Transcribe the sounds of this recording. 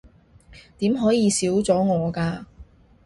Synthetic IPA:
t̪iː˨˥mɦɔː˨˥jiː˨˧siː˨˥wt͡sɔː˨˥ŋɔː˨˧kaː˧

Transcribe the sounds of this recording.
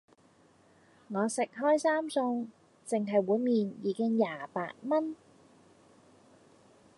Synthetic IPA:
ŋɔː˨˧sɪ˨k̚ɦɔː˥jsaː˥msʊ˧ŋ | t͡sɪ˨ŋɦɐ˨jwuː˨˥jmiː˨njiː˨˧kɪ˥ŋjaː˨˩pa̰ː˧t̚mɐ˥n

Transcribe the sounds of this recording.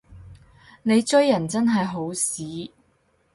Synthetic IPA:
ne˨˧jt͡ʃɵ˥jːɐ˨˩nt͡sɐ˥nɦɐ˨jɦo˨˥wsiː˨˥

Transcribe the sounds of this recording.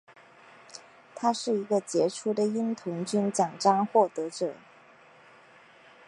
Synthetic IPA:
t̪ʰa˥ʂɻ̩˥˩i˧˥ɡə˧t͡ɕjɛ˧˥ʈ͡ʂʰu˥d̪ə˨i˥nt̪ʰʊ˧˥ŋt͡ɕy˥nt͡ɕjɑ˨˩ŋʈ͡ʂɑ˥ŋxwɔ˥˩t̪ɤ˧˥ʈ͡ʂɤ˨˩˦

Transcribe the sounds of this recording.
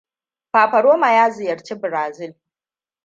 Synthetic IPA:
ɸaː˨ɸɐ˨ɽoː˦ma˨jaː˦zɪ˨jɐ˨ɾt͡ʃe˦bɪ˨ɾaː˨zɪ˦˨l

